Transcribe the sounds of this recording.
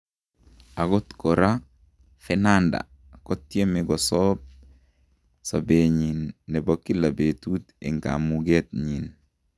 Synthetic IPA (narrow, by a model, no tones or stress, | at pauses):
aɡɔt̪koɾa | fenanda̰ | kot̪ːjemeɡɔsɔp̚ | sabeɲinːɛbokːilabetut̪ḭŋka̰muɡet̪̚ɲin